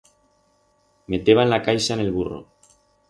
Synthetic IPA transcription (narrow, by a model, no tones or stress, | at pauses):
me̞t̪e̞β̞anlakajsaene̞lβ̞uro̞̰